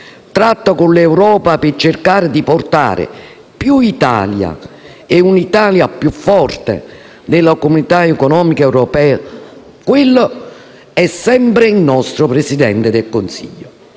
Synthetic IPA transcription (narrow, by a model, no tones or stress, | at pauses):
t̪ɾat̪ːakʊnlɛwɾɔːpapɪt͡ʃːɪrkaːɾɪd̪iport̪a̰ːɾɪ̰ | pjuit̪a̰lja̰ | eunit̪aːljapjufːɔrt̪ḛ | d̪ɪlːakomunit̪aɛkɔnɔːmikaɛwɾɔpɛːa | kwɪlːʊ | ɛsːɛmpɾɪilnːɔst̪ɾʊpɾesid̪ɛnt̪ɪd̪elkonsḭʎːʊ